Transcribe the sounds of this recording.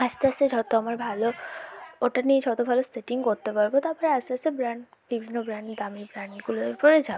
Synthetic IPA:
ad͡ʑt̪eased͡ʑɔt̪oamaɾbʱalo | oʈanieʃɔt̪obʱaloseʈiŋkoɾt̪epaɾbot̪apɔɾeaseasebɾaɳɖ | bibʱinːobɾaɳʈd̪amibɾaɳɡuloɾpɔɾed͡ʑabo

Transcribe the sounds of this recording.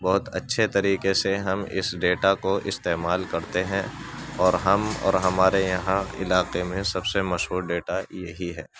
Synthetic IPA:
bɔːʊt̪ɐtːʃʰet̪ɐɾiːqeseɦɐmɪ̰sɖeːʈakoʔɪst̪eːmaːlkɐɾt̪eɦɛ̃ɔːɾɦɐmɔ̰ːɾɦɐmaːɾejɐɦãɪ̰laːqemẽsɐbsemɐʃɦuːɾɖeːʈajɐɦiɦɛː

